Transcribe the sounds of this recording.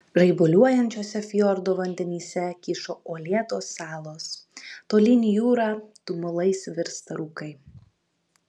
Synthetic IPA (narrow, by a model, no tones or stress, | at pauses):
ɾɐɪbʊlʲuɔjɛnʲt͡ʃʲoːsʲɛfʲjɔɾd̪oːʋɐnʲd̪ʲɛnʲiːsʲɛkʲiʃoːʔoːlʲiɛt̪oːsːɑːlˠoːst̪oːlʲɪnʲijuːɾɑːt̪ʊmʊlˠɐɪsʋʲɪɾst̪ɐɾuːkɐɪ